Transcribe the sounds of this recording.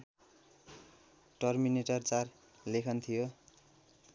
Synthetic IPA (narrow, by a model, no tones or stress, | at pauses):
ʈʌrmineʈʌrt͡sar | lekʰʌnt̪ʰijo